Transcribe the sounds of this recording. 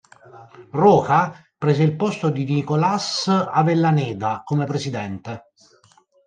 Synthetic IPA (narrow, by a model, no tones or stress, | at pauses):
rɔːka | pɾɛːzeilpɔst̪od̪inikolasavelːanɛːd̪akomepɾesid̪ɛnt̪e